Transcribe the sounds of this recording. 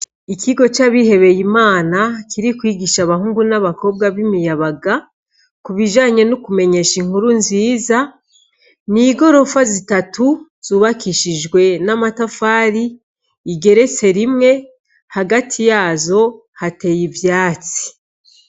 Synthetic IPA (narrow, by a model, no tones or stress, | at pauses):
ikiɡo̞t͡ʃaβihe̞βe̞jimaːnakʰiɾikwiːɡiʃaβaɦuːŋɡunaβako̞b̚ɡaβimijaβaɡa | kuβiʒaːɲe̞nukume̞ɲe̞ʃiŋhuɾunziːza | niɡo̞ɾo̞fazitatu | z̥uβakiʃiʒɡwe̞namatafaːɾiː | ɡe̞ɾe̞t͡se̞ɾimŋe̞ | haɡatʰijaːzo̞ | hate̞jivjaːt͡si̥